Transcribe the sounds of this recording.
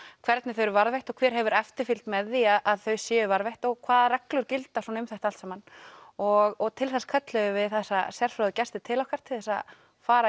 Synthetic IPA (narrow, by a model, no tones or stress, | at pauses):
kʰvɛɾt̪nɪθœʏɥɾʏvaɾðvejht̪ɔkʰvɛːɾ̥ɦɛvʏɾɛft̪ɪɾfilt̪mɛðːiaðaðθœɥsjɛːʏvaɾvejht̪ɔɣkʰvaːðarɛklʏɾcɪlt̪asɔnaʏmθɛjht̪alt̪samanɔɣɔɣt̪ʰɪlθɛsḁkʰœt̪lʏɣʏvɪðθɛsːasjɛr̥fɾaðʏcɛst̪ɪt̪ʰɪlawkʰvaɾ̥t̪ʰɪlθɛsːa̰ | faːɾa